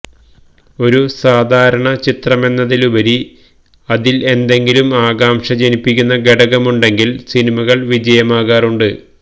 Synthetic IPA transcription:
o̞ɾusaːd̪ʱaːɾɐɳɐt͡ɕit̪rɐme̞nːɐðilubɐɾi | ɐðile̞nd̪e̞ŋɡilumaːɣaːmʂɐd͡ʑe̞nipːikʲːunːɐɡeɽɐɣɐmuɳɖe̞ŋɡilsinimɐɣɐɭʋid͡ʑɐjɐmaːɣaːruɳɖɨ

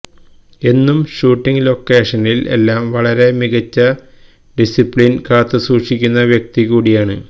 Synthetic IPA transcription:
e̞nːumɕuːʈːiŋlo̞kːe̞ːʂɐnile̞̰lːaːmʋɐɭɐɾe̞miɣɐt͡ɕːɐ | ɖisipɭinkaːt̪ːɨsuːʂikʲːunːɐʋjɐk̚t̪ikuːɽijaːɳɨ̰

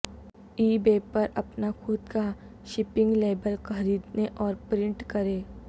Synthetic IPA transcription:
iːbeːpɐɾɐpnakʰʊd̪ka | ʃɪpɪ̃ŋɡleːbəlkɐɾiːd̪neʔɔːɾpɾɪ̃ɳʈkɐɾẽː

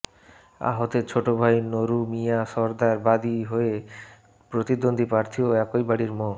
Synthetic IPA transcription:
a̰ɦot̪et͡ɕʰoʈobʱajnoɾumijaʃɔɾd̪aɾbad̪iɦoe | pɾot̪id̪ond̪ʱipɾaɾt̪ʰioɛkojbaɽiɾmɔ

